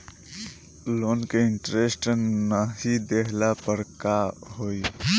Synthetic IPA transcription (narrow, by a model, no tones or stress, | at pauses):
lonkeɪɳʈɾesʈnəɦid̪ekʰlapəɾkaɦoj